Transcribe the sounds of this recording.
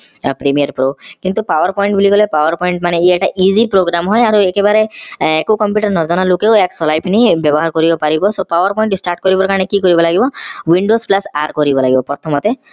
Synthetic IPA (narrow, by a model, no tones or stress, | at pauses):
pɾemijaɾpɾokint̪upawaɾpɔjɳʈ̚bulikɔlepawaɾpɔjɳʈmaneieʈaʔizipɾoɡɾamɦɔjaɾuekebaɾeekukɔmpjuʈaɾnɔd͡ʒɔnalokewɛksɔlajpnibjɔbɔɦaɾkɔɾibɔpaɾibɔsopawaɾpɔjɳʈisʈaɾʈ̚kɔɾibɔɾkaɾɔ̃ɽ̃ekikɔɾibɔlaɡibɔwiɳɖosplasaɾkɔɾibɔlaɡibɔpɔɾt̪ʰɔmɔt̪e